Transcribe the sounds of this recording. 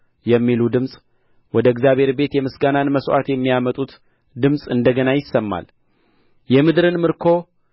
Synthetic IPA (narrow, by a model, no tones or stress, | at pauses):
jɛmːilud̪ɨmsʼ | wɔd̪əɨɡzjaβhe̞ɾbe̞t̪jɛmɨsɡananməswa̰t̪jɛmːijamət̪ʼut̪ | d̪ɨmsʼɨnd̪əɡənajɪsːəmːa̰l | jɛmɨd̪ɾɨnmɨɾkʰo̞